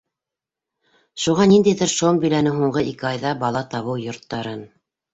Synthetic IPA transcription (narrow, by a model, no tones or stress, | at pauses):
ʃuʁɑnind̪æjðɘɾʃombɵ̆lænɘɦuɴɢɤʔikɘɑjðɑbɑlˠɑt̪ɑβɤwjŏɾt̪ːɑɾɤn